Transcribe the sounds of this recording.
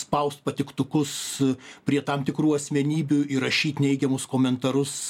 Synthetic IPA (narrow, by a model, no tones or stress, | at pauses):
spɐʊst̪̚pɐt̪ʲɪkt̪ʊkʊspʲɾʲiɛt̪ɐmt̪ʲɪkɾuːɐsʲmʲɛnʲiːbʲʊɪɾɐʃʲiːt̪ʲnʲɛɪɡʲɛmʊskoːmʲɛnt̪ɐɾʊs